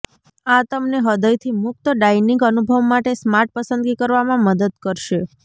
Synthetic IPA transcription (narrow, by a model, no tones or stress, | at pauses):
at̪əmneɦəd̪əjt̪ʰimʊk̚t̪əɖainĩŋɡənubʱəʋmaʈesmaɾʈ̚pəsənd̪ɡikəɾʋamãməd̪əd̪kəɾʃe